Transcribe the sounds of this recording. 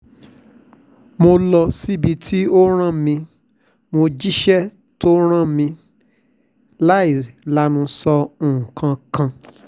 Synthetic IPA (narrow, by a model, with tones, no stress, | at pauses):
mo˧lɔ˧si˦˨bi˧tʰi˦o˦ɾ̃ã˦mĩ˧ | mo˧d͡ʒi˦ʃɛ˦ | to˦ɾ̃ã˦˨mĩ˧ | la˦i˦˨la˨˦nũ˧sɔ˧ũ˨kʰã˧kã˧